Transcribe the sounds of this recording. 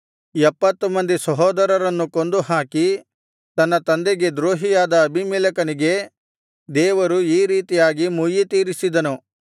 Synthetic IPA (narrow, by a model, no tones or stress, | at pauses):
ɛpːɐt̪ːumɐnd̪isɐɦoːd̪ɐɾɐɾɐnːuko̞nd̪uɦaːki | t̪ɐnːɐt̪ɐnd̪eɡe̞d̪ɾoːɦijaːd̪ɐːbʱimiːlɐkɐniɡe̞ | d̪ɛːʋɐɾuiːɾiːt̪ijaːɡimujit̪iːɾisid̪ɐnu